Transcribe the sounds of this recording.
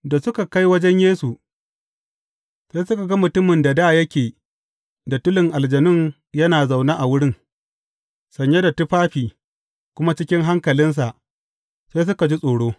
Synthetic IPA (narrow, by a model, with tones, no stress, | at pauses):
da˨sʊ˦ka˨ka˦jwɐ˦d͡ʒɛ˦ɲjeː˦su˨ | seː˦jsʊ˦ka˨ɡɐ˦mʊ˨tʊ˦mɪ˨nda˨daː˦jɐ˦kʲeː˨ | da˨tʊ˦lɪ˨ŋʔa˨ld͡ʒɐ˨nɪ˦ŋ | jɐ˦naː˨za˨wnaː˦ʔa˨wʊ˦ɽɪ˦ŋ | sɐ˨ɲja˦da˨tʊ˦ɸaː˦ɸiː˨ | kʷʊ˦ma˦t͡ʃɪ˦kʲɪ˦ŋɦa˦ŋkɐ˨lɪ˦ns̬a˨ʔ | se˦s̬ʊ˦ka˨d͡ʒi˦sʼoː˨ɽoː˦